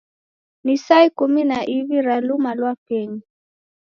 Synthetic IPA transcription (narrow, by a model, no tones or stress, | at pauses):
nisaikuminaʔiviɾalumalwakɛɲi